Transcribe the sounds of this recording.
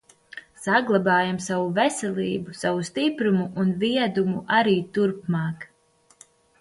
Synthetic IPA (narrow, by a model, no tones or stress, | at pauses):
saɡlˠabɑːjamsavuvɛsɛlˠiːbusavust̪ipɾumuʔunviɛd̪umuʔaɾiːt̪uɾpmɑːk